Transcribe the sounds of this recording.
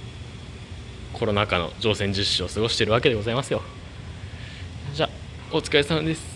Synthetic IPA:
kʰo̞ɾo̞nakano̞̰d͡ʑo̞ːsẽ̞ɲ̟d͡ʑɨɕːio̞sɨɡo̞ɕi̥t̪eɾɯ̟βake̞d̪e̞ɡo̞zaimasɨjo̞ | d͡ʑaː | ot͡sɨ̥kaesanod̪e̞sɨ̥

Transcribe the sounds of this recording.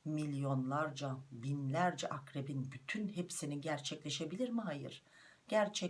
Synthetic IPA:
milʲjo̞nlˠaɾd͡ʒabinlʲæɾd͡ʒɛʔakɾebinbyt̪ʰynhepsiniɟæɾt͡ʃʰɛclʲe̞ʃe̞bilʲiɾmiɦajɯ̰ɾ̥ | ɟ̥æɾt͡ʃʰɛ

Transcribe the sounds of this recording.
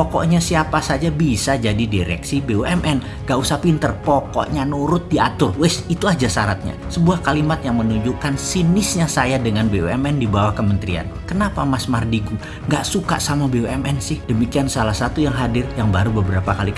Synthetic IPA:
pokɔ̰ʔɲasiapasad͡ʒabisad͡ʒadidiɾɛ̰ksibeoɛmʔɛn | ŋɡaʔusapint̪ərpɔkɔ̰ʔɲanuɾʊt̪̚diat̪ʊrwɛsit̪uad͡ʒasaɾat̪̚ɲa̰səbuahkalimat̪̚jaŋmənuɲd͡ʒukansinɪsɲasajadəŋanbeoɛmɛndibawahkəmənt̪ɾia̰n | kənapamasmardiɡu | ŋɡaʔsuka̰ʔsamabeoɛmʔɛnsɪhdəmikiansalahsat̪ujaŋɦadɪrjaŋbaɾubəbəɾapakali

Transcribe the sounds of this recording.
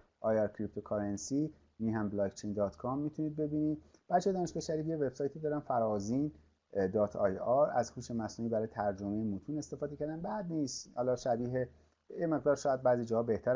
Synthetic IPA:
ʔɒːjɑɾkʰɾip̚t̪ʰokʰɒɾensi | niːɦæmblɒːkt͡ʃʰejnd̪ɒːt̪kʰɒmːiːt̪ʰuniːd̪̚be̞biːnid̪b̥æɾt͡ʃʰːejd̪ɒːneʃbeʃæɾiːjeve̞b̥sɒːjt̪ʰid̪ɒːɾænfæɾɒːzin | d̪ɒːt̪ʰɒ̰jɒɾæzhuːʃemæsnuːiːbæɾɒːjet̪ʰæɾd͡ʒomejemut̪ʰuːne̞st̪e̞fɒːd̪ecʰæɾd̪ænbæd̪niːst̪hɒːlɒːʃæbiːɦe | jeme̞ɣd̪ɒːɾʃɒːjæd̪̚bæːzid͡ʒɒːhɒːbe̞ht̪ʰæɾ

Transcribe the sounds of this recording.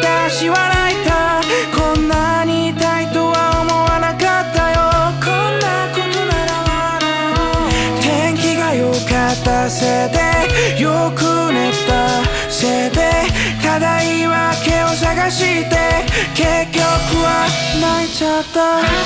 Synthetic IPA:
t̪aɕiβanait̪akõ̞nːaɲ̟it̪ait̪o̞βaomo̞wanakat̪ːajokʰõnːakot̪o̞naɾawa | ɾɯ | t̪ẽŋkʲiɡajokat̪ːase̞d̪ejokɯ̟net̪ːa | se̞d̪ekad̪aiβake̞oɕ̬aɡaɕit̪e̞ke̞kʲːokɯ̟βa | nait͡ɕat̪ːa

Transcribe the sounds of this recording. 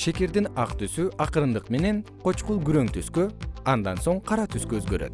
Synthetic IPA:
ʃe̞ke̞ɾd̪inɑqt̪ysyʔɑqɯɾɯnd̪ɯqme̞ne̞n | qʰo̞t͡ʃqulˠɡyɾø̞ŋt̪ʰyskøɑnd̪ɑnso̞ɴqʰɑɾɑt̪ʰyskøːzɡøɾø̰t̪̚

